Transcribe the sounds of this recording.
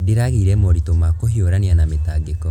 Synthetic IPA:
diɾaɣiɾɛmɔɾitomakohioɾanianametaːɡekɔ

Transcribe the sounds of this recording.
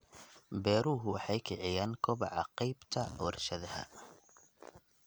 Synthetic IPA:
bɛːɾʊːɦʊwɑħɑjkʰɪʕɪjaːnkʰɔβɑʕɑqijbt̪ʰɐwɐrʃɐðɐhɐ̰

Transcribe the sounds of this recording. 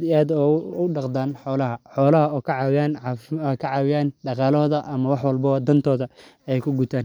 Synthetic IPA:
d̪ɪaːd̪ɔʊɖɑqd̪aːnħɔːlɐɦɐħɔːlɐɦɐɔːkʰɐʕɑwɪjaːnkʰɐʕɑːwɪjaːnɖɑqɑːlɔːðɐʔɐmɐwɑħwɐlbɔd̪ɐnt̪ʰɔːðɐ | ɛjkʰʊɡʊt̪ʰaːn

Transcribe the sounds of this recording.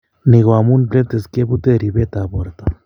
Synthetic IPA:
niɣwamunblet̪eskebut̪eɾiβet̪aboɾt̪a

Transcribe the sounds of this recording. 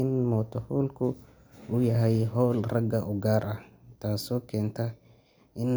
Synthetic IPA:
ɪnmɔːt̪ʰɔfɔːlkʰʊ | ʊjɐɦɛjɦɔːlrɐɡɐʔʊɡaːɾʔɐht̪ʰaːsɔːkʰɛːnt̪ʰɐ | ʔɪn

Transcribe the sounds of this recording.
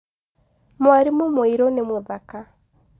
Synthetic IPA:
mwaɾimomoiɾonemweðaka

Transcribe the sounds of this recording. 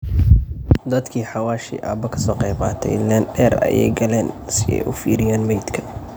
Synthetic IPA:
d̪ɐd̪kʰiːħɑwaːʃḭːʔaːbɐkʰɐ̥sɔːqɛjbɑ̰ːt̪ʰɛ̰jlɛnɖɛːrɐ̰jɛ̰jɡɐlɛːnsɪɛ̰jʔʊfiːɾɪjaːnmɛjd̪kʰɐ̥

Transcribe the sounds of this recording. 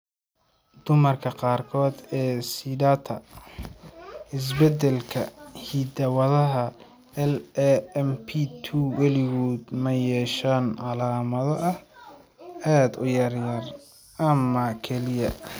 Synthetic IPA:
d̪̥ʊmɐrkʰɐqɑːrkʰɔːd̪ɛːsidaːt̪ʰɐ | ɪs̬bɛd̪ɛlkʰɐ̰hiːd̪ɐwɐðɐɦɐ | ɛlɛɛmpʰit̪ʰuwɑlɪɣuːd̪mɐjɛːʃaːnʕɑlaːmɐðɔʔɐh | aːd̪ʊ̰jɐrjɐr | ɐmɐkʰɛlɪjɐ

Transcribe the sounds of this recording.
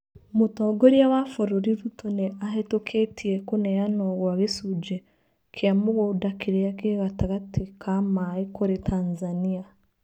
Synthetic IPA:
mutɔːɡoɾjawafoɾoɾiɾutoneaɦetokʰetʰiekonejanoɣwaɣesud͡ʒe | kʰeamoɣodakiɾejakeɣataɣatekʰamaekoɾetʰaːnzania

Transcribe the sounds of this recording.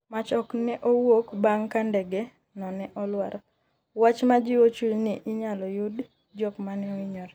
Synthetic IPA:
mat͡ʃɔknɛʔowokbaŋkandɛɡɛ | nɔnɛʔɔlwaɾɔ | wat͡ʃmad͡ʒɪwot͡ʃulnɪʔɪɲalɔjud | d͡ʒɔkmanɛɔiɲɔɾ

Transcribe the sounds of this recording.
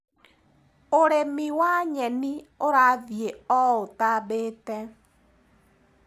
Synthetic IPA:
oɾemiwaɲɛnioɾaðjeɔotabetɛ

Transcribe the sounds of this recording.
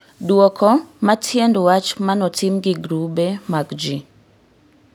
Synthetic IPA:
dwɔkʰɔmatʰjendwat͡ʃmanɔtʰimɡiɡɾubemakd͡ʒi

